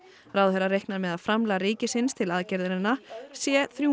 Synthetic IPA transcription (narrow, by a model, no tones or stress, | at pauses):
rawðhɛɾːarejhknaɾmɛðaðfɾamlaɾiːcɪsɪnst̪ʰɪlaðcɛɾðɪɾɪnːasjɛθɾju